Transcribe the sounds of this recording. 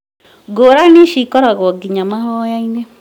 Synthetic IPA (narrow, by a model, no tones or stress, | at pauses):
ɡoɾaniʃikɔɾaɣɔɡiɲamaɦɔjaine